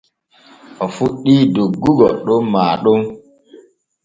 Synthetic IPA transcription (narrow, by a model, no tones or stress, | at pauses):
ʔɔfuɗːiːdoɡːuɡɔɗɔnmaːɗɔn